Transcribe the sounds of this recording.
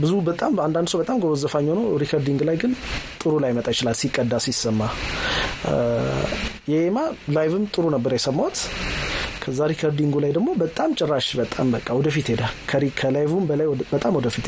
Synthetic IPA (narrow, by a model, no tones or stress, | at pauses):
bɨzubət̪ʼamand̪and̪sowbət̪ʼamɡowzəfaɲːownəɾikʰəɾd̪iŋɡlajɡɨnt̪ʼɨɾulajmət̪ʼajɪt͡ʃɪlalsikʼːəd̪ːasisːəmːa | jɛhemalajvɨmt̪ʼɨɾunəbːəɾajɛsəmːawt̪ | kʰəzːaɾikʰəɾd̪iŋɡulajd̪əɡmo̞bət̪ʼamt͡ʃʼɪrːaʃbət̪ʼa̰mbəkʼːawɔd̪əfit̪hed̪akʰəɾikʰəlajvumbəlajbət̪ʼamwɔd̪əfit̪